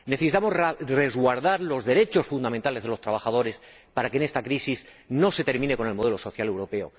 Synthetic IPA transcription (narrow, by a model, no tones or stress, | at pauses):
neθe̞sit̪amo̞zre̞zɣwaɾðaɾlo̞zðe̞ɾe̞t͡ʃo̞sfund̪amẽ̞nt̪ale̞zðe̞lot̪ɾaβaxað̞o̞ɾe̞s | paɾakene̞st̪akɾisizno̞se̞t̪e̞ɾmĩne̞ko̞ne̞lmo̞ð̞e̞lo̞so̞θjale̞wɾo̞pe̞o̞̰